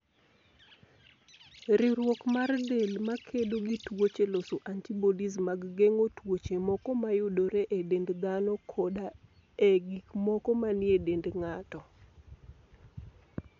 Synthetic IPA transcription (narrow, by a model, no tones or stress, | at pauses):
ɾɪɾwɔkmardelmakʰedoɡitwot͡ʃelosoʔantibodismaɡːeŋotwot͡ʃemɔkɔmajʊdoɾeʔedendd̪anɔkʰoda | eɡikmɔkɔmanɪedendŋatɔ